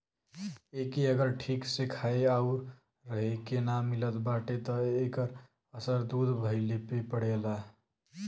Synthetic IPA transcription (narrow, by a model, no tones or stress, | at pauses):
ekiəɡəɾʈʰiksikʰajaʊɾː | əɦekenamilət̪baʈet̪ɔekəɾ | əsəɾd̪ud̪ʱbʱəɪlepepəɽ̤ela